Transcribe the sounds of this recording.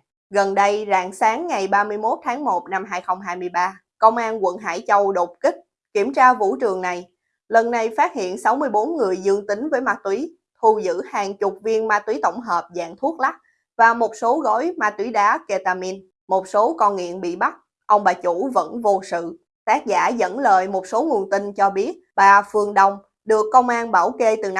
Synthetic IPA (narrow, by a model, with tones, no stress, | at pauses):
ɣə˨˩nɗə˧jza̰ː˧˨ŋsaː˨˦ŋːa˨˩jɓaː˧mɨ˧əjmo˦˥t̚t̪ʰaː˨˦ŋmo˨˩t̚na˧mɦaː˧jxə˧wŋ͡mɦaː˧jmɨ˧əjɓaː˧ | kə˧wŋ͡mʔaː˧nkwə̰˧˨nɦa̰ː˧˥jt͡ɕə˧wɗo˨˩p̚ki˦˥k̚ | ki˧˩əmt͡ɕaː˧vṵ˧˥t͡ɕɨ˨˩əŋna˨˩j | lə˨˩nːa˨˩jfaː˦˥t̚hḭ˧˨ənsa˨˦wmɨ˧əjɓo˨˦nŋɨ˨˩əjzɨ˧əŋt̪ï˨˦ŋ̟vəː˨˦jmaː˧t̪wi˨˦ | t̪ʰu˨˧˩zɨ̰˧˥haː˨˩ŋt͡ɕʊ˨˩k͡p̚vi˧ənmaː˧t̪wi˨˦t̪ə˧˩wŋ͡mɦəː˨˩p̚za̰ː˧˨ŋt̪ʰu˦˥ək̚la˦˥k̚ | vaː˨˩mo˨˩t̚so˨˦ɣɔ˧˦jmaː˧t̪wi˨˦ɗaː˨˦ke˧t̪aː˧mi˧n | mo˨˩t̚so˨˦kɔ˧nŋḭ˧˨ənɓḭ˧˨ɓa˦˥t̚ | ʔə˧wŋ͡mɓaː˨˩t͡ɕu˧˥və̰˧˥nvo˧sɨ̰˧˨ | t̪aː˦˥k̚zaː˧˩zə̰˧˥nləː˨˩jmo˨˩t̚so˨˦ŋu˨˩ənt̪ï˧nt͡ɕɔ˧ɓi˦˥ət̚ɓaː˨˩fɨ˨˩əŋɗə˧˩wŋ͡m | ɗɨ˨˩əkːə˧wŋ͡mʔaː˧nɓaː˧˩wke˧t̪ɨ˨˩n˨